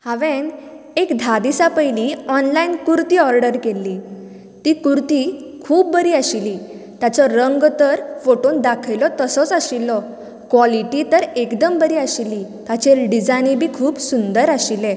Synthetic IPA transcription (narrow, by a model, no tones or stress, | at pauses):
haʋen | ekd̪ʱad̪isapəjliɔnlainkuɾt̪iːɔɾɖəɾkelːiː | t̪ikuɾt̪ikʰuːp̚bəɾiːaɕili | t̪jat͡sɔɾəŋɡt̪əɾfoʈond̪akʰəjlɔt̪əsɔt͡saɕilːɔ | kʋɔliʈit̪əɾekd̪əmbəɾiːaɕilːit̪at͡ɕeɖid͡zanibʱiːkʰuːbsund̪əɾaɕile